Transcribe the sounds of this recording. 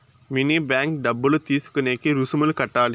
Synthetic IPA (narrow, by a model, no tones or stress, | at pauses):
minibjaːŋk̚ɖɐbːɐlut̪iːsu̥kːɐneːkiɾusumɐlkɐʈːaːli